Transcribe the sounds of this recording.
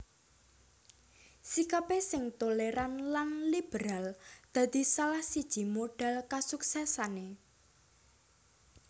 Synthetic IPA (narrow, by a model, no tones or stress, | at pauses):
sikapesɪŋt̪oleɾanlanlib̥eɾald̪̥a̤d̪̥i̤salahsid̥ʒ̥i̤moɖ̥alkasuksɛsane